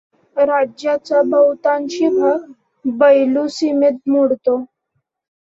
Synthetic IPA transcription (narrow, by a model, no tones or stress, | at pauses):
ɾad͡ʑjat͡ɕjabəwt̪ãnɕibʱə | bəjlusimit̪̚muɽt̪o